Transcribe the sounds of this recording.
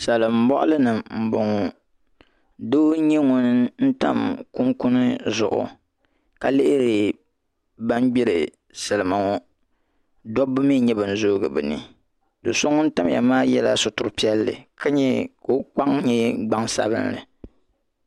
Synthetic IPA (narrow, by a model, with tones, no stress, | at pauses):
sa˨lɨ˨m̩˨˦bɔ˦ʔʊ̰˦lɨ˦nɨ˨mm̩˨bʊ˨ŋɔ˨ | do˦ɲɛ˦ŋʊ˦n˦n̩˦ta̰˦mku˦ŋkʊ˦nɨ˦zʊ˨ʔʊ̰˨ | ka˨lɪ˦ʔɪ˦ɾɨ˨ | ba˦nɡ͡bi˦ɾɨ˨ | sɨ˨lɨ˨ma˨ŋɔ˦ | dɔ˦bɨ˦mi˦ɲɛ˦bɨ˨n̩˨zoː˦ɡɨ˨bɨ˨nɨ̰˨ | do˨so˦ŋʊ˦n̩˦ta˦m˨ja̰˨maː˦jɛ˦la˦sʊ˨tʊ˨ɾpi˦ɛ˦lːɨ̰˨ka˦ɲɛ˦ko˦k͡pa˦ŋɲɛ˦ɡ͡ba˦ŋsa̰˦bɨ̰˦nlɨ̰˨